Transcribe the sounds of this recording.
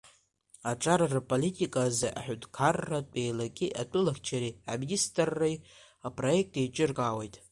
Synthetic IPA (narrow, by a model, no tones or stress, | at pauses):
aʈ͡ʂʼaɾarapʼolitʼikʼazaʔa̰ħʷᶣʊdkʰarːatʼejlakʲʼiʔatʼʊlaχʲt͡ʃʰaɾia̰ministʼrːej | apʼro̞jek̚tʼejt͡ʃʼɪrkʼawejtʼ